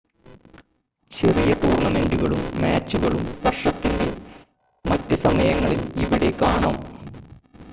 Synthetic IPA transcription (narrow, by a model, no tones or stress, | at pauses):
t͡ɕe̞rijɐt̪uːrɳɐme̞nduɣɐɭumːaːt͡ɕːuɣɐɭumpɐrʂɐt̪ːinde̞ | mɐtːɨsɐmɐjɐŋːɐɭiliʋiɽe̞kaːɳɐm